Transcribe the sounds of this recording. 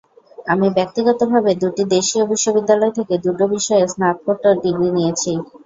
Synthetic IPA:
amibɛk̚t̪iɡɔt̪obʱabed̪uʈid̪eʃiobiʃːobid̪ːalɔet̪ʰeked̪uʈobiʃɔesnap̚koʈoɾɖiɡɾinijet͡ɕʰi

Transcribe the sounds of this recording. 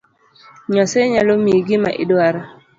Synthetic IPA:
ɲɔseɲalomiɡimaʔɪ̰dwaɾa

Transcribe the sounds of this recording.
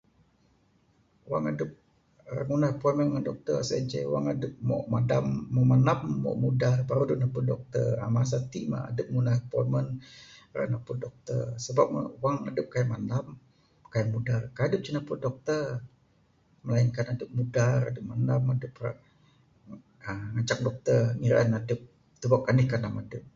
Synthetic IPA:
waŋadəp̚ | ra̰ŋunarəpɔmənŋandɔk̚t̪ərsə̰d͡ʒa̰wa̰ŋadəp̚mɔ̰ʔmadamːəmanamːɔ̰ʔmudahpaɾudunahpudɔk̚t̪ə̰ra̰mas̬at̪iʔma̰a̰dəp̚ŋunarəpɔ̰mənra̰napudɔk̚t̪ə̰rsəbap̚waŋadəp̚kajamanam | kajamudarkaadəp̚t͡ʃinapudɔk̚t̪ər | məlainkanadəp̚mudaɾa̰dəp̚manamadəpra | əŋat͡ʃak̚dɔk̚t̪ərŋiɾa̰nadəp̚ | t̪ubakanihkanamadəp̚

